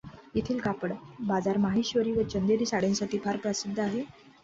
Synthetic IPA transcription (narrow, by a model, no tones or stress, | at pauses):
it̪ʰiːlkapəɽbad͡zaɾmaɦiɕʋəɾiːʋət͡ɕənd̪eɾiːsaɽẽnsaʈiːpʰaɾpɾəsid̪ʱːaɦe